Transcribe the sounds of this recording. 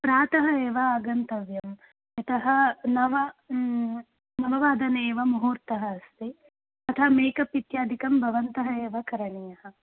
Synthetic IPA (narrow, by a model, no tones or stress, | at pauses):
pɾaːt̪ɐɦɐeːʋɐaːɡɐnt̪ɐʋjɐm | jɐt̪ɐɦɐ̆nɐʋɐ | nɐʋɐʋaːd̪ɐneːʋɐmɐɦuːɾt̪ɐɦɐːst̪i | ɐt̪ʰɐmeːkɐpit̪jaːd̪ʱikɐmbʱɐʋɐnt̪ɐɦɐeːʋɐkɐɾɐɳijɐhɐ